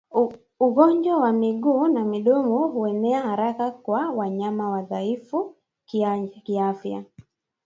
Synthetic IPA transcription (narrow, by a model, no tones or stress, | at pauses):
uɣɔɲd͡ʒwawamiɠuːnamiɗɔmɔɦuɛnɛahaɾakakwawaɲamawaðaifu | kiafja̰